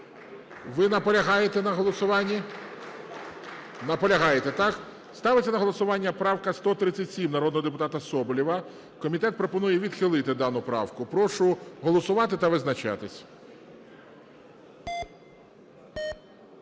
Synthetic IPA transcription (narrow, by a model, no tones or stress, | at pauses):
ʋɪnɐpɔlʲɐɦɑjet̪ɛnɐɦɔlˠɔsʊʋɑnʲːi | nɐpɔlʲɐɦɑjet̪ɛt̪ɑk | st̪ɑʋɪɐnɐɦɔlˠɔsʊʋɑnʲːɐpɾɑwkɐst̪ɔt̪ɾɪt͡sʲːɐtʲsʲimnɐɾɔd̪nɔɦɔd̪epʊt̪ɑt̪ɐsɔbɔlʲiʋɐ | kɔmʲit̪ɛt̪̚pɾɔpɔnujɛʋʲid̪xɪlˠɪt̪ɪd̪ɑnʊpɾɑ̰wkʊpɾɔʃʊɦɔlˠɔsʊʋɑt̪ɪt̪ɐʋɪznɐt͡ʃɑ̰t̪ɪsʲ